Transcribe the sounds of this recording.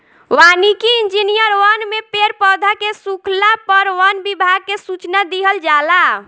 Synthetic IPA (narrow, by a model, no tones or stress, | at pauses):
ʋanikiind͡ʒinijəɾʋənmepeɾpɔd̪ʱakesukʰlapəɾʋənbibʱaɡ̚kesut͡ʃnad̪iɦəld͡ʒala